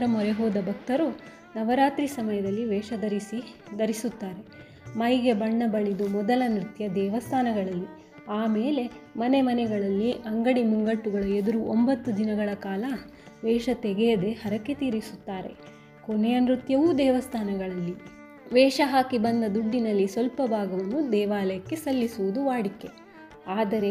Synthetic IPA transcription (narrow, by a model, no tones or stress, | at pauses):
ɾɐmɔɾeɦɔːd̪ɐbʱɐk̚t̪ɐɾu | nɐʋɐɾaːt̪ɾisɐmɐjɐd̪ɐlːiʋɛːʃɐd̪ɐɾisid̪ɐɾisut̪ːaːɾe̞ | mɐjɡe̞bɐɳːɐbɐɭid̪umɔd̪ɐlɐnɾit̪jɐd̪ɛːʋɐst̪ʰaːnɐɡɐɭɐlːi | aːmeːle̞mɐnemɐnɛɡɐɭɐlːiʔɐŋɡɐɽimuŋɡɐʈːuɡɐɭɐed̪uɾuʔombɐt̪ːud̪inɐɡɐɭɐkaːlɐ | ʋɛːʃɐt̪eɡejɐd̪e̞hɐɾɐkːet̪iːɾisut̪ːaːɾe̞̰ | konejɐnɾit̪jɐʋud̪ɛːʋɐst̪ʰaːnɐɡɐɭɐlːi | ʋɛːʂɐɦaːkibɐnd̪ɐd̪uɖːinɐlːisʋɐlpɐbaːɡɐʋɐnːud̪ɛːʋaːlɐjɐkːe̞sɐlːisuʋud̪uʋaːɽikːe̞ | aːd̪ɐɾe̞